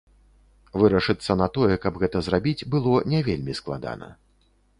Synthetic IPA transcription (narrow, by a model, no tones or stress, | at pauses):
vɨɾɐʂɨt̪sːɐnɐt̪ɔjɛkɐbɣɛt̪ɐzrabʲid͡zʲbɨlˠɔnʲɛvʲelʲmʲisklˠa̰d̪a̰nɐ̰